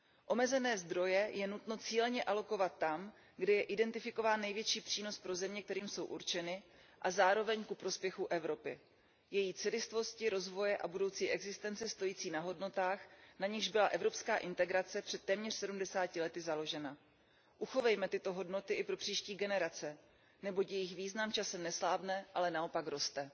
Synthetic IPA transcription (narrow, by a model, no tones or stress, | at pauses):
ʔo̞mɛzɛnɛːzd̪ɾo̞jɛjɛnut̪no̞t͡siːlɛɲɛʔalo̞ko̞vat̪ːam | ɡdɪjɛʔɪdɛnt̪ɪfɪko̞vaːnːɛjvjɛt͡ʃiːpr̥iːno̞spɾo̞zɛmɲɛk̚t̪ɛɾiːmso̞wʔuɾt͡ʃɛnɪ | ʔazaːɾo̞vɛɲkupɾo̞spjɛxuʔɛvɾo̞pɪ̰ | jɛjiːt͡sɪlɪst̪vo̞scɪɾo̞zvo̞jɛʔa̰budo̞wt͡siːʔɛɡzɪst̪ɛnt͡sɛst̪o̞jiːt͡siːnaɦo̞dno̞t̪aːxnaɲɪxʒbɪlaʔɛvɾo̞pskaːʔɪnt̪ɛɡɾat͡sɛpr̥ɛt̪ːɛːmɲɛr̥sɛdumdɛsaːcɪlɛt̪ɪzalo̞ʒɛna | ʔuxo̞vɛjmɛt̪ɪt̪o̞ɦo̞dno̞t̪ɪʔɪpɾo̞pr̝̥iːʃciːɡɛnɛɾat͡sɛ | nɛbo̞cjɛjɪxviːznamt͡ʃasɛmnɛslaːbnɛʔalɛnao̞pakɾo̞st̪ɛ